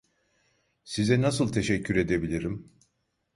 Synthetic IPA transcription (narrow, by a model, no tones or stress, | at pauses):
sizɛnas̬ɯlˠt̪ʰe̞ʃɛcʰːyɾe̞d̪ebilʲiɾim